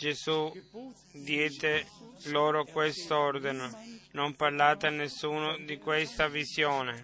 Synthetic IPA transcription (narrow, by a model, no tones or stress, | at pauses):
d͡ʒesu | d̪jɛːd̪eloːɾokwest̪ɔɾd̪inonompaɾlaːt̪anːesːuːnod̪ikwest̪avisjoːne